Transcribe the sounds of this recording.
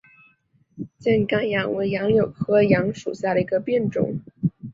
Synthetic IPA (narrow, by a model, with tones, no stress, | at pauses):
t͡ɕjɛ˥˩nkɑ˥˩ŋjɑ˧˥ŋwe˧˥ɪjɑ˧˥ŋljo˨˩ʊkʰɤ˥jɑ˧˥ŋʂṵ˨˩ɕja˥˩ɾə˩i˧˥ɡə˧pjɛ˥˩nʈ͡ʂʊ̰˨˩˦ŋ